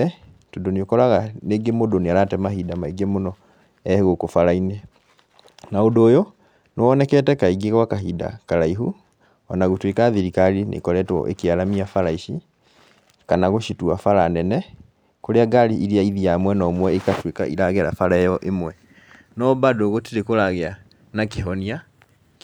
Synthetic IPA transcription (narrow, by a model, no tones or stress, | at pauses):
ɛ | todoneokɔɾaɣaneɡemodoneaɾatɛmahidamaiɡemonɔ | ɛheɣokofaɾaine | naondoːjo | nwɔnɛkɛtɛkaiɡeɣwakaɦida̰kaɾaiɦu | ɔnaɣutwekaðiɾikaɾinʔḛkɔɾɛtwɔ̰ʔḛkeaɾamiafaɾaiʃi | kanaɣoʃituafaɾanɛnɛ | koɾeaɡaɾiʔiɾiaiðiamwɛnɔmwɛekatweka̰ḭɾaɣeɾa̰faɾaɛjɔʔemwɛ | nɔbadoːɣotiɾekoɾaɣea | nakeɦɔnia